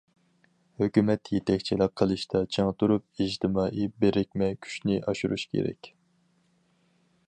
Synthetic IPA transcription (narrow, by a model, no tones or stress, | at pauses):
høkʲymɛt̪jet̪ʰɛkʲt͡ʃʰilɑp̚qʰəlˠɨʃt̪ʰɑt͡ʃʰeŋt̪ʰuɾup̚id͡ʒt̪ʰɨmɑːʔibeɾɪk̚ʲmɛkʲʰy̥ʃnɪʔɑʃuɾṵʃkʲʰḛɾɛ̰kʲ